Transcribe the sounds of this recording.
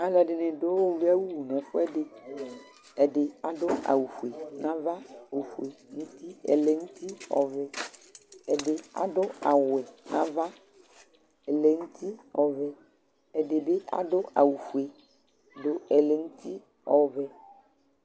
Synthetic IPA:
a˨la˨ɖe˨nɛ̃˨do˦wɔ˦ve˦a˦wu˦˨nɛ̃˨fo˦ɛ˦ɖe˨ | ɛ˨ɖe˨a˨ɖo˦a̰˨wu˨ɸu˨e˨nã˦va˦wu˨ɸu˨e˨ŋũ˦t̪i˦ɛ̰˨le˨ŋũ˦t̪i˦ɔ̰˨vɛ˦ | ɛ˨ɖe˨a̰˨ɖo˦a˨wɛ˨nʔã̰˦va˦ | ɛ˨le˨ŋũ˦t̪ʰi˦ɔ˨vɛ˨ | ɛ˨de˨be˦ʔa̰˦ɖo˦ʔa̰˨wu˨fu˨e˨ | ɖo˨ɛ˨le˨ŋũ˦t̪i˦ | ɔ˨vɛ˦

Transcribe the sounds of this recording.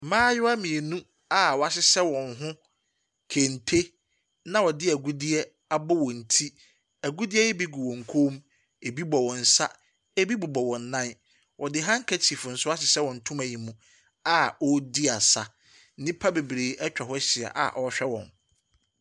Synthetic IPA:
mãː˦jʊ˦a˦mĩ˨e˨nũ˦ | a˨wɔ˨a˨sɪ˦sɛ˦wɔ̃˨nɦʊ̃˦ | kʰe˨n˨tʰe˦ | nã˦wɔ˨dɪ˦æ˨ɡu˦di˦ɛ˦ | a˨bɔ˦wɔ̃˨n̩˨tʰi˦ | æ˨ɡu˦di˦ɛ˦jɛ˦bi˦ɡu˨wɔ̃˨ŋ̩˨kʰoː˦m | e˨bi˦bɔ˨wɔ̃˨n̩˨sa˦ | e˦bi˦bʊ˨bɔ˨wɔ̃˨n˨˦nã˦n | wɔ˨dɪ˦ɦã˦ŋ̩˦kʰæ˦tʰi˨fʊ˨n̩˨˦sʊ˦a˦sɪ˨sɛ˦wɔ̃˨n̩˨tʰʊ̃˦mæ˨ji˨mũ˨ | a˦˨ɔ˦di˦a˨sa˨ | n̩˦nĩ˦pʰa˦be˨bɾeː˨ʔɛ˦t͡ɕᶣɛ˨hʊ˦ɕɪ˨a̰˨ʔa̰˨ʔɔ˨ɔ˦ɕᶣɛ˦wɔ̰̃˨n

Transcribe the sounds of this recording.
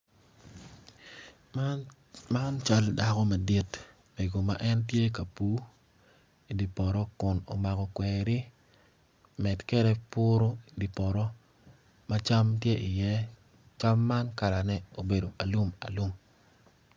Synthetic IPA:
ma˦nt͡ʃa˦lda˨kɔ˦ma˨di˦t | me˨ɡo˨ma˨ʔɛ˦ntje˦k̬a˨pu˨˦ | i˨di˨pɔ˨ɾɔ˦kʊ˨no̰˨ma˨ɡɔ˨kwɛɾɪ˦ | mɛ˨tkɛ˦dɛ˦pʊ˦ɾo˦i˨di˨pɔ˨ɾɔ˦ | ma˦t͡ʃa˦mtjɛ˦ʔɪ˨jɛ˦ | t͡ʃa˦mːa˦nka˨la˨nɛ˦o˨be˨do˨ʔa˨lu˦ma̰˨lu˦m

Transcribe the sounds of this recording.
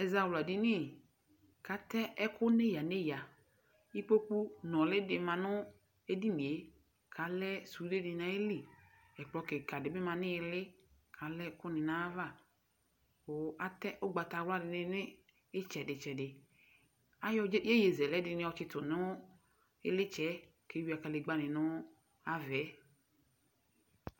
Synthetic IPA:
ɛ˨za˦wla˨dɪ˦nɪ˦˨ | ka˨t̪ɛ˦ɛ˦kʊ˦ne˦ja˨ne˦ja˨ | i˦k͡po˦ku˦nɔ̃˨lɪ˦dɪ˨mã˨nʊ˦ | e˦di˦nĩ˨e˦ | kʰa˨lɛ˦su˨˦de˦dɪ˨nã˨˦e˦li˨ | ɛ˨k͡plɔ˨˦kɪ˨ka˨dɪ˨bɪ˦mã˨nɪ̃˦˨lɪ˦kʰa˨lɛ˦kʊ˦nɪ̃˨nã˨˦va˦˨ | wo˨a˨t̪ɛ˦ʔo˦ɡ͡ba˨t̪a˨wla˦dɪ˨nɪ˦nɪ̃˦ | ɪ˦t͡ʃɛ˨dɪ˨t͡ʃɛ˨dɪ˨ | a˦jɔ˦je˦je˨zɛ˨lɛ˦dɪ˨nɪ̃˦wɔ˨t͡ʃɪ˦t̪ʊ˨nʊ̃˦ | ɪ˦lɪ˦t͡ʃɛ˦ | ke˨˦wi˨a˨ka˨lɪ˨ɡ͡ba˦nɪ̃˨nʊ̃˦ | a˨vɛ˨˦

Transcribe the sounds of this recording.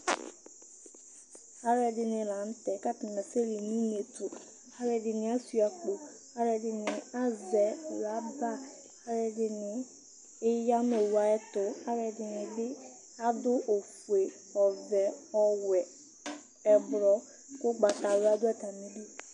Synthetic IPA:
ha˦ɾɛ˨dɪ˨nɪ̃˨lã˨˦n̩˦tɛ˨ka˦tɪ˨n˨na˨sɛ˦li˨nĩ˦n˦e˨tʊ˨ | a˦ɾɛ˨dɪ˨nɪ̃˨˦a˦su˨a˨k͡po˨ | ha˦ɾɛ˨dɪ˨nɪ̃˨a˦zɛ˨la˨˦ba˦ | ha˦ɾɛ˨dɪ˨nɪ̃˨ | ɪ˦ja˦me˨wa˨ɛ˦tʊ˨ha˦ɾɛ˨dɪ˨nɪ̃˨dɪ˦ | a˦dʊ˦ʔo˨fu˨e˨ | ɔ˨vɛ˨ɔ˦wɛ˨ | ɛ˨bɾɔ˨ | kʊ˦ɡ͡ba˨ta˨wa˦dʊ˦ɛ˨t̪a˨mĩ˦dɪ˦

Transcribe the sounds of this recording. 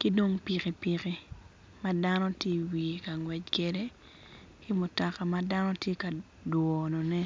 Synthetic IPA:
kɪ˦do˦ŋpi˨ki˨pi˨ki˦ | ma˦da˦nɔ˦tje˦wi˨ka˨ŋwɛ˨d͡ʒke˨de˦ | kɪ˦mʊ˨tɔ˨ka˨ma˦da˦nɔ˦tje˦ka˨ | dwɔ˨no˨nɛ˦

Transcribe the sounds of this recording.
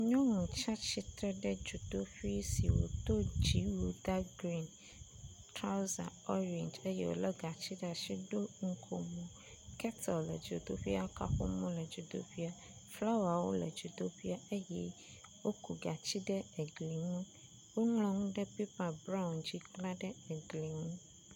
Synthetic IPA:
ɲɔ̃˦ŋũ˨t͡ʃa˦t͡ɕi˨˦t̪ɾɛ˦ɖɛ˦d͡ʒu˨d̪o˦ɸi˦si˨wo̰˨t̪o˦d͡ʒi˦wu˨d̪a˦ɡɾi˦n | tɾa˦za̰˨ɔ˦ɾɛ˨nd͡ʒe˦jḛ˦wo̰˨lɛ˦ɡa˨t͡ɕi˦ɖɛ˦˨a˨ʃi˦ɖo˦ŋ̩˨kʰo˨mũ˨ | kɛ˦t̪ɔ˨llɛ̰˨d͡ʒu˨d̪o̰˦ɸi˦a˦ka̰˨ɸɔ̰˦mɔ̃˦lɛ˨d͡ʒu˨d̪o̰˦ɸi˦a˨ | fla˦wa˨wo̰˦lɛ̰˨d͡ʒu˨d̪o˦ɸi˦a˦e˦jɛ˦ | wo˦kʰu˨ɡa˨t͡ɕi˦ɖɛ˦e˨ɡli˨ŋũ˦ | wo˦ŋlɔ̃˨ŋũ˦ɖɛ˦pi˦pa˨bɾa˦wnd͡ʑi˦kla˦ɖɛ˦e˨ɡli˨ŋũ˦

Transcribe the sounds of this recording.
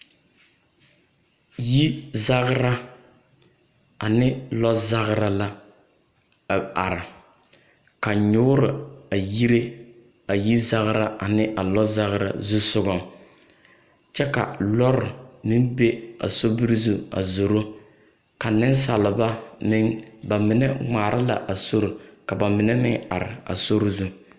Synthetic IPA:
ji˦za˦ɣɾa˦ | a˨nɪ˦lɔ˦za˦ɣɾa˦la˦˨ | a˨ɾɪ˨ | ka˨ɲʊː˦ɾɪ˨a˨ji˦ɾe˦ | a˨ji˦za˦ɣɾa˦ʔa˨nɪ˦ʔa˨lɔ˦za˦ɣɾa̰˨zu˦sʊ˦ɡɔ˦ŋ | t͡ʃɛ˦ka̰˨lɔ˦ɾɪ˨mɪ˦nbe˦a̰˨so˦bi˦ɾzu˦a̰˨zo˨ɾo˦ | ka˨nɪ˦n˦sa˨lɪ˨ba˦mɪ˦ŋba˨mɪ˨nɛ˦ŋ͡maː˨ɾʔɪ˦la̰˨ʔa˨so˦ɾo˨ka˨ba˨mɪ˨nɛ˦nɪ˦ŋa̰˨ɾɪ̰˨a̰˨so˦ɾzu˦

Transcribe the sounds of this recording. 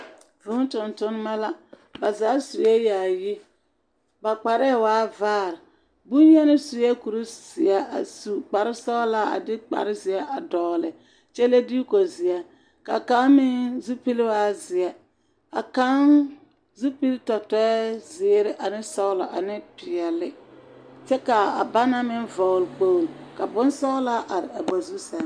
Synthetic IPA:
vʊ˦n˦tʊ˨ntʊ˦n˦ma˦la˦ | ba˨zaː˨˦su˨jɛ˦ja˨ji˦ | ba˨k͡pa˨ɾɛ˦˨waː˨˦vaː˦˨ɾɪ˨ | bu˦njɛ˦nɪ˦su˨jɛ˦ku˨ɾi˦sɪ˨a˦a̰˨su˨k͡pa˨ɾɪ˦sɔ˦la˦a̰˨dɪ˦k͡pa̰˨ɾɪ˦zɪ˨a˦ʔa˨dɔː˨lɪ˨ | t͡ʃɛ˦le˦di˦ko˨zɪ˨a˦ | ka̰˨ka˦mɪ˦nzu˦pi˦lɪ˦wa˦zɪ˨ɛ˦ | a˨ka˦n | zu˦pi˦ltɔ˨tɔ˦ɛ˦zɪ˨ɾɪ˦ʔa˨nɪ˦sɔ˦lɔ˨ʔa˨nɪ˦pɪ˨ɛ˨lɪ˦t͡ʃɛ˦ka˨a˨ba˦na˦mɪ˦nvɔ˨lk͡po˦˨ŋ˨ka˨bʊ˦nsɔ˦la˦ʔa˨ɾɪ˨a˨bɔ˨zu˦sɛ˨n˦

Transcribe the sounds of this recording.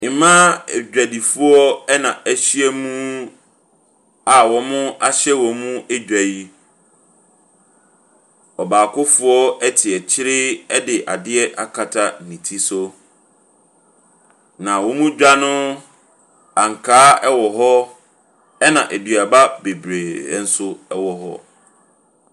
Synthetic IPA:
mã˦˨d͡ʑᶣæ˨di˨fu˦ɔ˦ɛ˦nã˨æ˦˨ɕi˦ɛ˦mũ˦ | a˨wɔ˨mʊ̃˦a˦ɕɛ˦wɔ˨mũ˦ɛ˦d͡ʑᶣæ˨ji˦ | ɔ˨baː˨kʰʊ˦fʊ˨˦ɔ˦ɛ˦tʰɪ˨ɛ˨t͡ɕʰɪ˦ɾɪ˦ɛ˦dɪ˨ʔa˨dɪ˦ɛ˦ʔa̰˨kʰa˨tʰa˦˨nĩ˨tʰi˦so˦ | nã˨wɔ˦mũ˦d͡ʑᶣa˦nʊ̃˦ | a˨ŋ̩˨kʰaː˦ɛ˦wɔ˨ɦɔ˦ | ɛ˦nã˨ʔe˨dɥa˨ba˦be˨bɾḛ˨˦n̩˦sʊ˦ɛ˦wɔ˨ɦɔ̰˦

